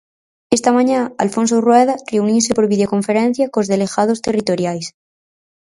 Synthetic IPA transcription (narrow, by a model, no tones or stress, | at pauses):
est̪amãɲãalfonsorwɛð̞areuniosepoɾβið̞eoko̞ɱfeɾẽn̟θjakozðeleɣað̞ost̪erit̪o̞ɾjajs